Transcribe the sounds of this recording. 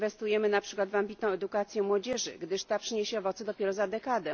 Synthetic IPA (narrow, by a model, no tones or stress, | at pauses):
vɛst̪ujɛmɘnapʂɘkwad̪vambʲit̪nɔ̃w̃ɛd̪ukat̪sʲjɛmwɔd͡ʑɛʐɘ̰ɡd̪ɘʂt̪apʂɘɲeɕɛɔvɔt̪sɛd̪ɔpʲjɛɾɔzad̪ɛkad̪ɛ